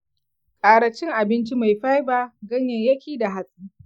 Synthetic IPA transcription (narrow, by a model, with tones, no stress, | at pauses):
kʼaː˨ɽɐ˨t͡ʃːɪ˦ŋʔa˨bɪ˦nt͡ʃi˦ma˨jɸa˦jbaː˦ɡɐ˦ɲjɐ˨ɲjɐ˦kʲiː˦da˨ɦa˨sʼiː˦